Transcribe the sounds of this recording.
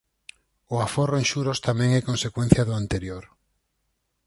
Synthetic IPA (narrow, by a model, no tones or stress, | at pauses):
ʊaforoẽŋʃuɾost̪amɛ̃ŋɛkõnsekwen̟θjɐðʊant̪eɾjoɾ